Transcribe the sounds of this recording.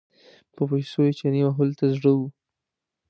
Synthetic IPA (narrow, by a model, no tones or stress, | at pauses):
pəpajsoet͡ʃanimaɦʊlt̪azɽəwu